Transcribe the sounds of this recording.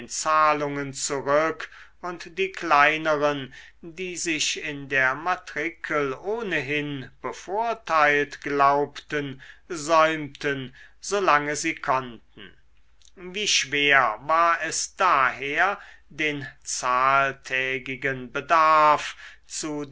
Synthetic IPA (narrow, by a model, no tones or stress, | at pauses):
nt͡saːlʊŋənt͡suʁʏkʊntd̥iːklaɪnəʁən | diːzɪʃɪndeːɐmatʁɪkʰəloːnəɦɪnb̥əfoɐtʰaɪltɡ̥laʊptənzɔʏmtənzoːlaŋəziːkʰɔntn̩ | viːʃv̥eːɐvaːɐɛsd̥aːɦeːɐdeːnt͡saːltʰɛːɡɪɡənbədaɐft͡su